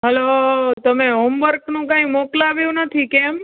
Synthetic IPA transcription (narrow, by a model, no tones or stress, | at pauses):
ɦəlot̪əmeɦomʋəɾknũkãĩmoklaʋjũnət̪ʰikem